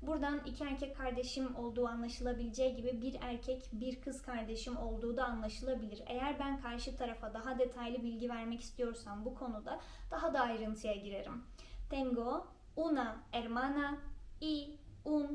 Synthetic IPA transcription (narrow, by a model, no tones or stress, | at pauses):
buɾd̪anicʰiæɾcʰɛc̚ʲkʰːaɾd̪e̞ʃimo̞lˠd̪uːanlˠaʃɯlˠabilʲid͡ʒɛjɟibibiɾæɾcʰɛcbiɾkʰɯz̥kʰaɾd̪e̞ʃimo̞lˠd̪uːd̪aːnlˠaʃɯlˠabilʲiɾe̞̰jæɾbænkʰaɾʃɯt̪ʰaɾafad̪aɦad̪e̞t̪ʰajlʲibilʲɟivæɾmɛci̥st̪ʰijo̞ɾsambukʰo̞nud̪a | d̪̥aɦad̪aːjɾɯnt̪ʰɯjaɟiɾe̞ɾim | t̪ʰɛŋɡo | unaæɾmanaiun